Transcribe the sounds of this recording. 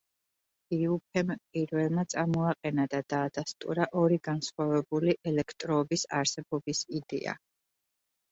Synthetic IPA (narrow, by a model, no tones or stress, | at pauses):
iupʰɛmpʼiɾvɛlˠmat̪sʼaɾmɔaqʼɛnad̪ad̪̥aːd̪̥ast̪ʼṵɾaʔɔɾiɡansχwavɛbuliʔɛlɛkʰt̪ʼɾɔːbisa̰ɾsɛbɔbisid̪ɛ̰a̰